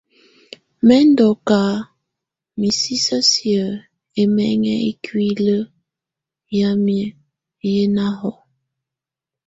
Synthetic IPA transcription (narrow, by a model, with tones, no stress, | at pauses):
mɛ˦n˦dɔ˨ka˨˦ | mi˨si˦sə˦sjə˨ | e˦mɛ˦ŋɛ˦e˦kʰwi˦lə˦ | ja˦mjə˦ | je˦na˦ɦɔ˨